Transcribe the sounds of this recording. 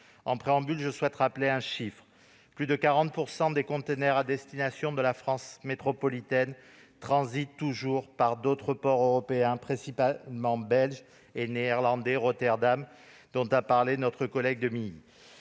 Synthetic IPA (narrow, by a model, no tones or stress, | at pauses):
ɑ̰̃pχeɑ̃bylʒəswɛt̪ʁapleɛ̃ʃifχ | plyd̪əkaʁɑ̃t̪̚puʁsɑ̃d̪ekɔ̃t̪enɛʁad̪ɛst̪inasjɔ̃d̪əlafχɑ̃smet̪χɔpɔlit̪ɛn | t̪χɑ̃zit̪ːuʒuʁpaʁd̪ot̪χəpɔʁøʁɔpeɛ̃pχɛ̃sipamɑ̃bɛlʒ | eneɛʁlɑ̃d̪ɛʁɔt̪ɛʁd̪am | d̪̥ɔ̃t̪apaʁlenɔt̪χəkɔlɛɡ̚d̪əmii